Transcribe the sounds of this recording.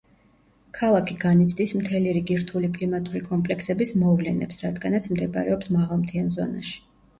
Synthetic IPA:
kʰalˠakʰiɡanit̪sʰd̪ismt̪ʰɛliɾiɡiɾt̪ʰulikʼlimat̪ʼuɾikʼɔmpʼlɛksɛbismɔvlɛnɛ̰psɾad̪ɡanat̪sʰmd̪ɛbɾɛɔpsmaʁalˠmt̪ʰianzɔ̰na̰ʃi̥

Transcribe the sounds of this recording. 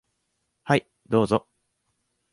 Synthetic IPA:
hai | d̪o̞ːzo

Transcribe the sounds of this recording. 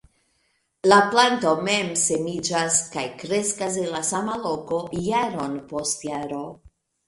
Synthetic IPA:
laplanto̞me̞mse̞mid͡ʒaskajkɾe̞skas̬e̞nlasamalo̞ko̞jaɾo̞npo̞stjaɾo̞

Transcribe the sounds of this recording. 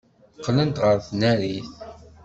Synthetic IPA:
qːlənt̪ʁəɾθnæɾiθ

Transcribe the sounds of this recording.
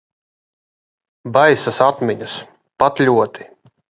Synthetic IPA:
bajsasat̪mʲiɲus | pat̪lʲuɔt̪ʰi̥

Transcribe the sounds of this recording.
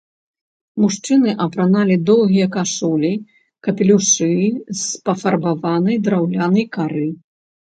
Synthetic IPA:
muʂt͡ʂɨnɨʔɐpɾanalʲid̪ɔw̪ˠɣʲijɐkaʂulʲi | kɐpʲɛlʲuʂɨspɐfɐrbavanɐjd̪ɾawlʲanɐjkaɾɨ

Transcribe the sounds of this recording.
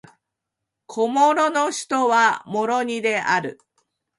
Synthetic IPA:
kʰo̞moɾo̞noɕi̥t̪oβamo̞ɾoɲ̟id̪e̞ʔaɾɯ̟̰

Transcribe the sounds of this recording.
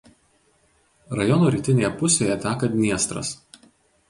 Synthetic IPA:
ɾɐjɔnuːɾʲiːˑt̪ʲɪnʲeːjɛpʊsʲeːjɛt̪ʲæːkɐnʲiɛst̪ɾɐ̰s

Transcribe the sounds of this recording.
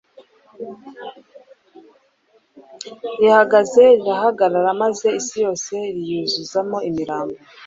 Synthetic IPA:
ɾihaɡaze̞ɾiɾahaɡaɾaɾamaze̞isijo̞ːse̞ɾijuzuzamo̞imiɾaːmbo

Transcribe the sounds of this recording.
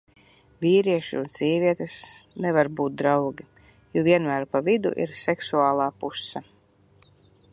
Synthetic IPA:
viːɾiɛʃḭunz̥ʲiːviɛt̪ɛsnɛvaɾbuːt̪̚d̪ɾawɡʲi | juvʲiɛnmæːɾpavid̪ṵʔḭɾsɛksuaːlˠaːpusːa

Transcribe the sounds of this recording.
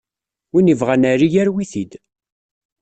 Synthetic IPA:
winivʁænaɾijæɾwiθid̪

